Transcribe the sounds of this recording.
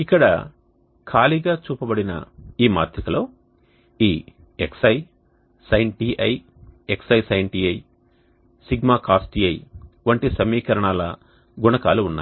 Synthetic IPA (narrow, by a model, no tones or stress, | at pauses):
ikːɐɽɐ̰ | kʰaːliɡaːt͡ʃuːpɐbɐɽinɐ̰iːma̰ːɾt̪ʰɐkɐloː | iː | eksɐj | sɐjɳʈiːʔɐj | eksɐjsɐjɳʈiːɐj | siɡmaːkaːsʈiɐjʋɐɳʈisɐmiːkɐɾɐɳaːlɐ̰ | ɡunɐkaːluːnːa̰ːj